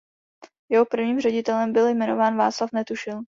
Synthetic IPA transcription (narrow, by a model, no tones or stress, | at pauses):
jɛɦopr̩vɲiːmrɛɟɪt̪ɛlɛmbɪljmɛno̞vaːnva̰ːt͡slafnɛt̪uʃɪl